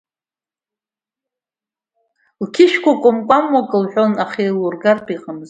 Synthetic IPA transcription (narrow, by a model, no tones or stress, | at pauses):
lkʲʰɪʃkʷakʷʼʊmkʷʼamwakʼɨlħʷᶣonaχelurɡarpʰʼiqʼamz